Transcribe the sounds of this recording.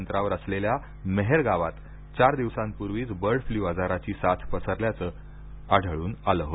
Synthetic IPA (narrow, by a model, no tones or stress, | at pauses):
nt̪ɾaʋəɾəslelja | meɦeɾɡaʋat̪ | t͡ɕaɾd̪iʋsãmpuɾʋiːt͡sbəɾɽfliːʋad͡zaɾat͡ɕiːsat̪ʰpəsəɾljat͡sə | aɖ̤ʱəɭuːnaləɦo